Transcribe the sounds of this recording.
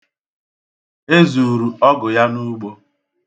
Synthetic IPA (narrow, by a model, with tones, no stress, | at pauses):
e˦zu˨ɾu˨ɔ˦ɡʊ˨ja˦nu˦ɡ͡bo˦